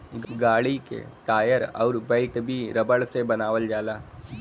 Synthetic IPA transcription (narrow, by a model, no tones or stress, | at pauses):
ɡaːɽikḛʈaːjəɾɔ̰ːɾbəɪʈbʱiɾəbəɽsebənaːʋəld͡ʒaːlaː